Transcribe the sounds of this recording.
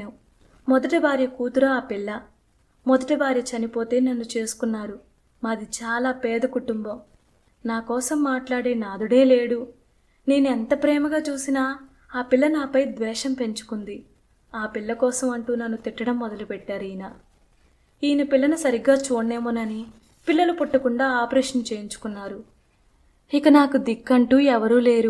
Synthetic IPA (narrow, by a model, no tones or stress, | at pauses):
mɔd̪ɐʈibaːɾjɐkuːt̪uɾɐaːpilːɐ | mɔd̪ɐʈibaːɾjɐt͡ʃɐnipo̞ːt̪e̞ːnɐnːut͡ʃe̞ːsu̥kunːaːɾu | maːd̪it͡ʃaːlaːpɛːd̪ɐkuʈumbɐm | naːkɔːsɐmːaːʈlaːɽeːnaːd̪uɽe̞ːle̞ːɽu | ne̞ːnuɛnt̪ɐpɾɛːmɐɡaːt͡ʃuːsina | aːpilːɐnaːpɐjd̪ʋɛːʃɐmpe̞ɲt͡ʃu̥kund̪i | aːpilːɐkɔːsɐmɐɳʈuːnɐnːut̪iʈːɐɽɐmːɔd̪ɐlupɛʈːaːɾijnɐ | iːnɐpilːɐnusɐɾiɡːaːt͡ʃoːɳːe̞ːmoːnɐni | pilːɐlupuʈːɐkuɳɖaːaːpɐɾɛːʂɐnt͡ʃeːjiɲt͡ʃu̥kunːaːɾu | ikɐnaːkud̪ikːɐɳʈuːɛʋɐɾuːle̞ːɾu